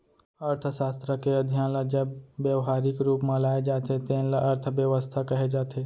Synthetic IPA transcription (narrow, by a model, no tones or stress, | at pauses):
ɐɾt̪ʰəʃaːst̪ɾəkeɐd̪ʱijãlad͡ʒɐbːjəʋɦaːɾɪkɾuːpmãlaːed͡ʒaːt̪et̪ẽːnlaʔɐɾt̪ʰəʋjəʋəst̪ʰakɐɦed͡ʒaːt̪ʰe